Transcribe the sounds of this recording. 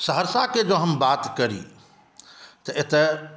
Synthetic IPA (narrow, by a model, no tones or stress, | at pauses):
səɦəɾsaked͡ʒoɦəmbat̪kəɾḭ | t̪əʔet̪e